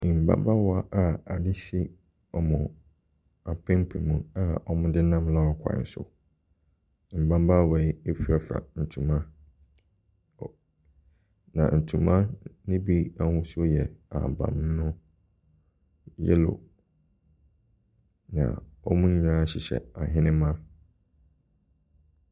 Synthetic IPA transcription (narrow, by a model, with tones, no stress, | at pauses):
ɪ̃˨m̩˨bã̰˦mba˦wɔ˦a˨ʔa˦a˨dɪ˦si˦ | ɔ˨mʊ̃˨ | a˨pʰɛ̃˦m˦pʰe˨mũ˨a˦˨ɔ˦mʊ̃˦dɪ˦nã˦mla˦ɔ˨kʷʰa̰˨n̩˦sʊ̰˨ | m̩˨bã˦m˦ba˦wɔ˨ɪ˦e˦fi˦a˨fa̰˨n̩˨tʰũ˨mã˦ | nã̰˨n̩˨tʰũ˨mã˦nɪ̃˦bi˦a˦hũ˦so˦jɛ˨a̰˨bã̰˨m˦nʊ̃˦ | jɛ̰˦lʊ̰˨ | nã̰˨ɔ˦mũ˦ɲã˦ɕɪ˨ɕɛ̰˨a˨ɦɪ̃˦nɪ̃˦mã˦